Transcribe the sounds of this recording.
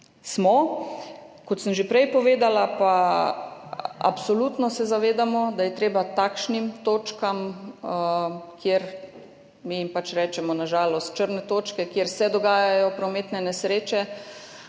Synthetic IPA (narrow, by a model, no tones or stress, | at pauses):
smɔ | kɔt̪səmʒepɾɛjpɔʋeːd̪alapa | a̰psɔluːt̪nɔsɛzaʋeːd̪amɔd̪ajɛt̪ɾeːbat̪akʃnimt̪oːt͡ʃkam | kʰjeɾ | mijimpat͡ʃɾɛːt͡ʃɛmɔnaʒaːlɔst̪̚t͡ʃəɾnɛt̪oːt͡ʃkɛkjeɾsɛd̪ɔɡaːjajɔpɾɔmeːt̪nɛnɛsɾeːt͡ʃɛ